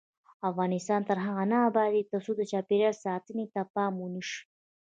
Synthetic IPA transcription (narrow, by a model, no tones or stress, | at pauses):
afɣɑnɪst̪ɑnt̪əɾɦaɣanabaɾit̪asud̪ət͡ʃɑːpeɾjasɑːt̪ənit̪apɑmuniʂ